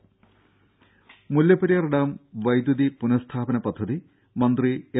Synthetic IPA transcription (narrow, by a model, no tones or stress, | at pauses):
muljɐpɐɾijɐrɐɽaːmʋɐjd̪jud̪ipunɐst̪ʰaːpɐnɐpɐd̪ʱːɐði | mɐnd̪rie